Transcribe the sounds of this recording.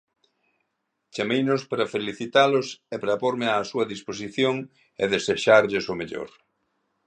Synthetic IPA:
t͡ʃamejnʊspɾɐfeliθit̪alʊsepɾɐpoɾmɪaːsuɐðisposiθjoŋ | ḛðeseʃaɾʎɪsʊmeʎo̰ɾ

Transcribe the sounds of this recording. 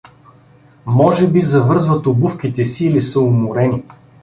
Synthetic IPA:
mɔʒɛbizɐvɤɾzvɐt̪ʊbufkit̪ɛsiːlisəʊmʊɾɛni

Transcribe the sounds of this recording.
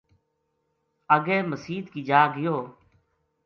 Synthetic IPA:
əɡeːməsiːd̪kiːd͡ʒaːɡɪjoː

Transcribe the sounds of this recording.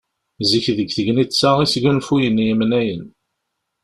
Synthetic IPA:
ziçðəɡθəɡnisæʁisɡænfujənjəmnæjən

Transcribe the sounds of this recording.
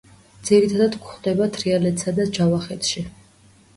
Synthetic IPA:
d̪z̥iɾit̪ʰad̪ad̪kχd̪ɛbat̪ʰɾialɛt̪ʰsad̪ad͡ʒavaχɛt̪ʃi

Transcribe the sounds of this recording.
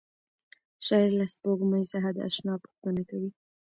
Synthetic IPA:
ʃɑɪɾlaspoɡmajzaɦad̪ə̰a̰ʃnɑpu̥xt̪ənakawi

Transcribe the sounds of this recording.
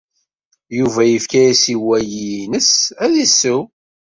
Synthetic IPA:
juvæjəfkæjæsiwæjinəsæðisːuw

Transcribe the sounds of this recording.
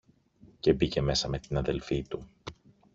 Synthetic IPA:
ce̞bice̞me̞sɐme̞t̪inɐðe̞lfit̪u

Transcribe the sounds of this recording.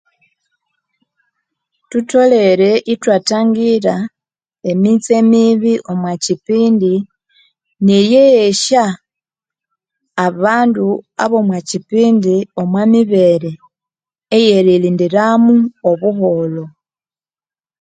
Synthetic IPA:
tuto̞le̞ɾe̞ʔitwataːŋɡiɾa | e̞mit͡se̞miβiʔo̞mwacipiːndi | nijeʃa | βaːndua̰βo̞mwacipiːndio̞mwamiβe̞ɾe̞ː | je̞ɾiliːndiɾamuo̞βuɦo̞lo̞

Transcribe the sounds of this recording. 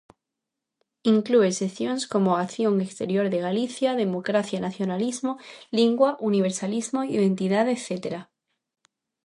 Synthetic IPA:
iŋklue̞se̞θjo̞nsko̞mo̞akθjo̞ŋekst̪e̞ɾjo̞ɾðe̞ɣaliθjaðe̞mo̞kɾaθjanaθjo̞nalizmo̞liŋɡwaʔuniβ̞e̞ɾsalizmo̞iðẽ̞nt̪iðaðeθet̪e̞ɾa

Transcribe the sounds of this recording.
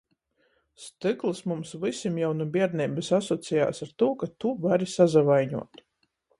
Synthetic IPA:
st̪ɨklˠɨsmumsvɨsʲimjawnubʲiɛɾnʲibɨsasɔt̪sija̰ːsaɾt̪uːkat̪uvaɾisazavajɲṵɔt̪

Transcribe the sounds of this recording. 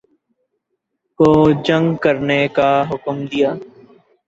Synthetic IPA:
koːd͡ʒə̃ŋɡkəɾnekaɦʊkmd̪ɪjaː

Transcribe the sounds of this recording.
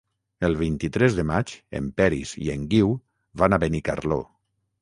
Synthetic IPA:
əlˠβ̞int̪it̪ɾɛzðəmat͡ʃḛmpɛɾḭzḭeŋɡiw | βanaβənika̰ɾlo̰

